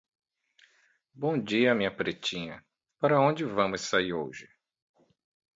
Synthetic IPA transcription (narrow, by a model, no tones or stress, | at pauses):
bõw̃d͡ʒiɐmĩɲɐpɾet͡ʃĩɲɐ | paɾɐõd͡ʒɪvɐ̃mʊssaiɾowʒɪ